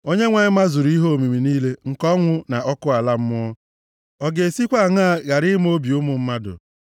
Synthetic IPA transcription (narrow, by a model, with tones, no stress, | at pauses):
o˦ɲe˦ŋʷa˨ɲɪ˦ma˦zʊ˨ɾi˦ɦo˦o˨mi˨mi˨niː˦le˦ŋ̩˨kɔ˦ŋʷʊ˦na˨ɔ˦kʊ˦a˨la˦m̩˦mʊ˦ɔ˦ | ɔ˨ɡe˨si˦kʷa˦˨ŋa˦˨ɣa˨ɾɪ˦m˦o˦bi˨ʊ˦mʊ˨m̩˦ma˦dʊ̰˨